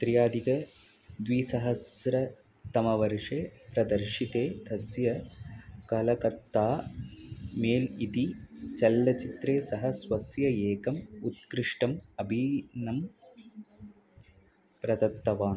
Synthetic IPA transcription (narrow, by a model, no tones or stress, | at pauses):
t̪ɾijaːd̪ʱikɐ | d̪ʋiːsɐɦɐsɾɐ | t̪ɐmɐʋɐɾʂeːpɾɐd̪ɐɾʂit̪eːd̪ʱɐsjɐ | kɐlɐkɐt̪ːaː | meːlit̪it͡ʃɐlːɐt͡ʃit̪ɾeːsɐɦɐsʋɐsjɐeːkɐmut̪̚kɾɪʂʈɐmɐbʱinɐm | pɾɐd̪ɐt̪ːɐʋaːn